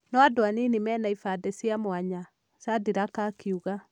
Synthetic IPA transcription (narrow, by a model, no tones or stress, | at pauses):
nɔadoaninimɛːnaifadɛsiamoaɲa | sadiɾakakʰiuɣa